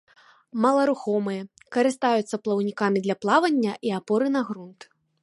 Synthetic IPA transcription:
mɐlˠɐɾuxɔmɨjɐ | kɐɾɨst̪ajut̪sːɐplˠɐwnʲikamʲid̪lʲɐplˠavɐnʲːɐʔiapɔɾɨnɐɣɾunt̪

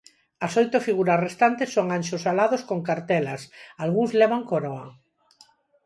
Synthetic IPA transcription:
ɐsojt̪ofiɣuɾasrest̪ant̪esːoŋanʲʃosalaðoskoŋkaɾt̪elasalɣuŋzleβ̞aŋkoɾoa

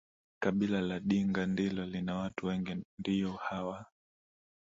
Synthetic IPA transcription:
kaɓilalaɗiŋɡandilɔlinawatuwɛŋɡindijɔhawa

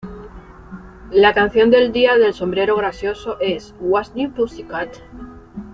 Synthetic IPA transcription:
lakan̟θjo̞nd̪e̞ld̪iaðe̞lso̞mbɾe̞ɾoɣ̞ɾasjo̞so̞ʔe̞swasnipusikat̪

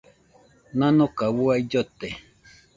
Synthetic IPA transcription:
nãnokaβuaid͡ʒot̪e

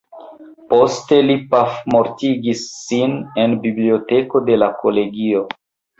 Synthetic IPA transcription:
po̞ste̞lipafmoɾtiɡisːine̞nbibliote̞ko̞de̞lakʰole̞ɡio̞

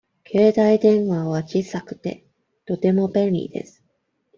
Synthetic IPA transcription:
kʰe̞ːd̪aid̪ẽ̞ɰ̃βaβat͡ɕisakɯ̟̥t̪e̞̰ | t̪o̞t̪e̞mo̞bẽ̞nʲɾʲḭd̪e̞̰sɨ̥

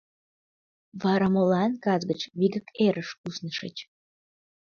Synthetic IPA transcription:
vɑɾamolɑnkɑzɡət͡ɕβiɡəkeɾəʃusnəʃḛt͡ɕ

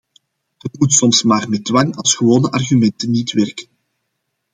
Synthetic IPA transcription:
d̥ɑtmutsɔmsmaːrmɛdwɑŋɑlˠsxəwoːnəʔɑrɣymɛntənːitʋɛrkən

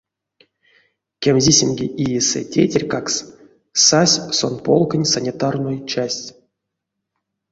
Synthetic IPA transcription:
kʲemʲzʲisʲemʲɡʲeʔijesɨ̰tʲḛtʲerʲkaks | sasʲsonpolˠkənʲsanʲit̪arnojt͡ʃasʲtʲ

